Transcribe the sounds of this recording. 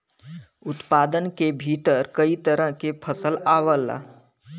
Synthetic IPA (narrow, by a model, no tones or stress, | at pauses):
ʊt̪paːd̪ənkebʱiːt̪əɾkəit̪əɾə̃ɦkepʰəsəlaːwəla̰